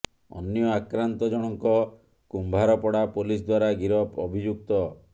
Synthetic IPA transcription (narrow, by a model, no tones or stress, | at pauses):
ɔ̰njɔakɾant̪ɔd͡ʒɔɽ̃ɔŋkɔ | kumbʱaɾɔpɔɽapolis̬d̪waɾaɡiɾɔpɔbʱid͡ʒuk̚t̪ɔ